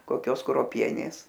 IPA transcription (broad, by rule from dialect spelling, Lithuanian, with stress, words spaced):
koːˈkʲoːs kruɔˈpʲiɛnʲeːs